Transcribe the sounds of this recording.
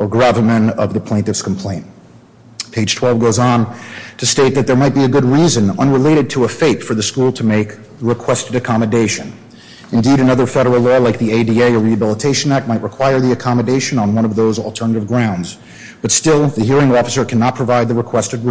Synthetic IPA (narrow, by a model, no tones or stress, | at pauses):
ə˞ɡɹævəmɨ̃nʌ̰vðəpʰl̥ẽɪ̃tɨfskʰm̩pʰl̥ẽɪ̃nt | pʰeɪd̥ʒ̥tʰw̥ɛlˠvɡoʊzn̩tʰɨsteɪt̪̚ðɨt̪̚ðə˞maɪt̚b̥iɨɡʊd̚ɹizɨ̃nʌ̰̃nɹəleɪɾɨd̚tʰəːfeɪtfə˞ðɨskulˠtʰɨmeɪk | ɹɨkʰw̥ɛstɨɾɨkʰɑmɨdeɪʃɨ̃n | ɨ̃ndiɾɨnʌðə˞fɛɾə˞l̩ˠlɔlaɪk̚ðieɪdieɪə˞ɹiɨbɪlˠətʰeɪʃɨ̃næk̚t̚maɪʔ̚ɹʔəkʰw̥aɪə˞ðiɨkʰɑmɨdeɪʃɨ̃nə̃nwʌ̃ñʌvðoʊzl̩ˠtʰɜ˞nɨɾɨvɡɹãʊ̃ndz | b̥ʌtstɪlˠðɨɦiɹɪ̃ŋɔfəsə˞kʰænɑt̚pʰɹ̥ɨvaɪd̪̚ðɨɹɨkʰw̥ɛstɨd̚